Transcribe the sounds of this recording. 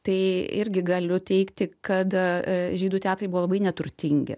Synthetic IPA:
t̪ɐɪɪɾʲɡʲɪɡɐlʲʊt̪ʲɛɪkt̪ʲɪkɐt̪ʒʲiːd̪uːt̪ʲæːt̪ɾrɐɪbʊʋolˠɐbɐɪnʲɛt̪ʊrʲt̪ʲɪŋʲɡʲɪ̰

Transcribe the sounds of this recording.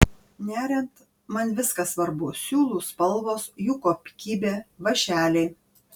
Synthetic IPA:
nʲæːɾʲɛnt̪ | mɐnʋʲɪskɐsʋɐɾbʊsʲuːlˠuːspɐlˠʋoːsjukoːpʲkʲiːbʲeːʋɐʃʲæːlʲɛɪ

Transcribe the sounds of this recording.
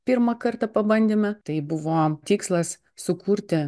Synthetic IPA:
pʲiɾmɐkɐɾt̪ɐpɐbɐnʲd̪ʲemʲɛt̪ɐɪbʊʋoːt̪ʲiːkslˠɐs | sʊkuːɾʲt̪ʲɪ

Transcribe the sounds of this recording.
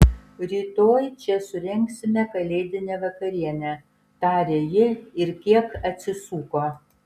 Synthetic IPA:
ɾʲiːt̪oːjt͡ʃʲɛsʊɾʲɛŋʲksʲɪmʲɛkɐlʲeːd̪ʲɪnʲɛːʋɐkɐɾʲiɛnʲɛ | t̪ɑːɾʲeːjɪɪɾkʲiɛkɐt̪ʲsʲɪsuːkoː

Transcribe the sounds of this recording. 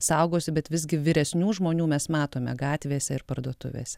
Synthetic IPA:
sɐʊɡoːsʲɪbʲɛt̪ʋʲɪzʲɡʲɪʋʲɪɾʲɛsʲnʲuːʒmoːnʲuːmʲɛsmɑːt̪oːmʲɛɡɑːt̪ʲʋʲeːsʲɛɪɾpɐɾd̪uɔt̪ʊ̰ʋʲḛːsʲɛ

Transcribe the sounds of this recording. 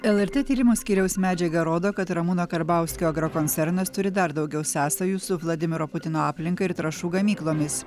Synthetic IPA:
ɛlˠɛɾʲt̪ʲeːt̪ʲiːɾʲɪmuːsʲkʲiːɾʲɛʊsmʲæːd͡ʒʲɛɡɐɾoːd̪oːkɐt̪ɾɐmuːnoːkɐɾbɑˑʊsʲkʲoːɡɾɐkɔnʲtsʲɛɾnɐst̪ʊɾʲɪd̪ɐɾd̪ɒʊɡʲɛʊsʲæːsɐjuːsʊʋlˠɐd̪ʲɪmʲɪɾoːpʊt̪ʲɪnoːɑːpʲlʲɪŋkɐɪɪɾt̪ɾɐʃuːɡɐmʲiːklˠoːmʲɪs

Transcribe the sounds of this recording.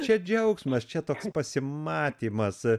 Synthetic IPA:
t͡ʃʲɛd͡ʒʲɛʊksmɐst͡ʃʲɛt̪oːkspɐsʲɪmɑːt̪ʲiːmɐs

